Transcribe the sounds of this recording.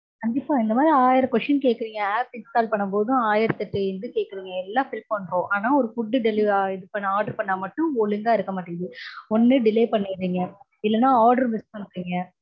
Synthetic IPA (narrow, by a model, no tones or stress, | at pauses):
kɐnd̪ɪpːaːɪnd̪ɐmaːðɾiaːjɪɾɐkʋɛʂʈɐnkeːkːɪɾiːŋɡɐaːpɪnskaːlpɐɳːɐmpoːðʊ̃aːjɪɾɐt̪ːɐʈːɯɪnd̪ɯkeːʈkːɯɾiːŋɡɐɛlːaːfɪlmpɐɳɾõːʔaːnaːɔɾɯfʊɖːɯɖɛliɪðɯpɐɳːɐaːɾɖɐɾpɐɳːaːmɐʈːʊ̃ɔɭɯŋɡaːɪɾɯkːɐmaːʈːɯŋɐðɯɔnːɯɖɪleːpɐɳːɪɾiːŋɡɐ | ɪlːɐnːãːaːɾɖɐɾmɪskɐ̃ɾɯkːiːŋɡɐ